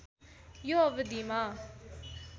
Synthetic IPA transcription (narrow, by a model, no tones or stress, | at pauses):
joɐʋd̪imaː